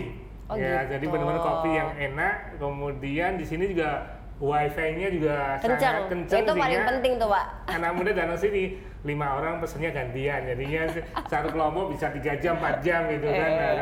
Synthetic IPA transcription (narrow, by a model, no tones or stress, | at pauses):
jad͡ʒadibənəmankot̪ijaŋenaʔ | kəmudiandisinid͡ʒuɡa | waifaiɲad͡ʒuɡaskəat͡ʃəatŋ̚kəɲt͡ʃəŋt̪usiasɪŋpənt̪ɪŋt̪upaʔ | anak̚mudadat̪əŋsɪhnɪ | limaoɾaŋpəsənɲaɡant̪iand͡ʒadiɲasat̪ukəlɔmpɔʔ̚bisat̪iɡad͡ʒampat̪̚d͡ʒamit̪ukana